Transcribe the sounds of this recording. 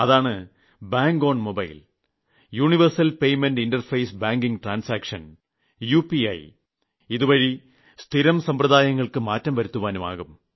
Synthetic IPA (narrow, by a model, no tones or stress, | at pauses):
ɐðaːɳɨ | baːŋɡo̞ːɳmobɐjl | juːɳiʋɐrsɐlpejmenɖindɐrfɐjsbaːŋɡiŋɡʈraːnsaːkʂɐn | juːpiɐ̰j | iðuʋɐɻi | st̪ʰiɾɐmsɐmpɾɐðaːjɐŋːɐɭkɨmaːtːɐmʋɐɾut̪ːuʋaːnuma̰ːɣum